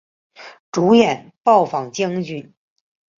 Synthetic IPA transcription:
ʈ͡ʂu˧˥jɛ˨˩˦n | pɑ˥˩ʊfɑ˨˩ŋt͡ɕji˥ŋt͡ɕy˥˩n

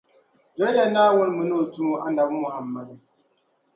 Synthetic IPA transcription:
d͡ʒa˦la˦naː˦wʊ˦n˦mu˨no˦˨tu˦mu˦ʔa˦nda˨wu˦mʊ˨ha˨mːa˦du˨

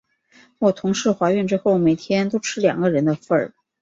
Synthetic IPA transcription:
wɔ˨˩t̪ʰʊ˧˥ŋʂɻ̩˧˥xwa˧˥ɥɛ˥˧nʈ͡ʂɻ̩˥xo˥˩ʊme˨˩ɪt̪ʰjɛ˥nt̪o˥ʊʈ͡ʂʰɻ̩˥ljɑ̰˨˩ŋɡə˦ɻə˧˥nd̪ə˧fə˥˩

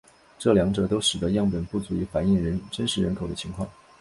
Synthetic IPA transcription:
ʈ͡ʂɤ˥˩ljɑ˧˥ŋʈ͡ʂɤ˨˩t̪o˥ʊʂɻ̩˨˩d̪ə˧˦jɑ˥˩ŋpə˨˩npu˥˩t͡su˧˥y˧˥fa˧˥ni˥˩ŋɻə˧˥nʈ͡ʂə˥nʂɻ̩˧˥ɻə˧˥nkʰo˨˩ʊd̪ə˦t͡ɕʰi˧˥ŋkʰwɑ̰˥˩ŋ

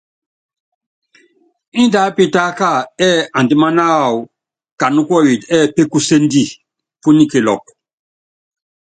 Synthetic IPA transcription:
i˦nda˨˦pi˦ta˦ka˦˨ɛ˦ã˨n˨di˨˦ma˦na˦˨wu˨ | ka˨nu˦kɔ˦wi˨dɛ˦˨pe˦ku˦se˦ndi˦˨ | pu˦ni˦ke˨lɔ˨k̚

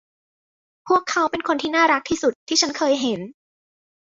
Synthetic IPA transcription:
pʰu˥˩əkʰːa˦˥wpe˧nkʰo˧nt̪ʰiː˥˩naː˥˩ɾa˦˥k̚t̪ʰiː˥˩su˨˩t̪ʰːiː˥˩t͡ɕʰa˦˥nkʰɤː˧jɦe˩˦n

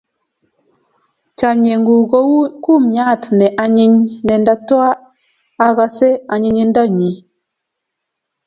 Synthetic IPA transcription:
t͡ʃa˨ɲe˨ŋɡu˨ɡo˦wu˦ku˦˨mɲa˦˨tnɛ˨ʔa˨ɲi˦ɲnɛ˨nda˦twa˦ | a˦ɣa˨se˦a˨ɲi˨ɲi˦n˦da˦˨ɲi˨

